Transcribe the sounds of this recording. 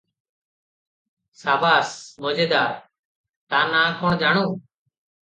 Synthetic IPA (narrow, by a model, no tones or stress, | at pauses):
saːbaːsmoːd͡ʒeːd̪aːɾ | t̪ãːnãːkʰoːɳd͡ʒaːɳõː